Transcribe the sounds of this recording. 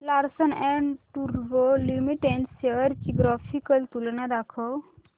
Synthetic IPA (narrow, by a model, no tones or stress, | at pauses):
laɾsənɛ̃ɳʈuɾbolimiʈɛ̃ɳseəɾkiɡɾafʰikəlt̪ulnad̪akʰəw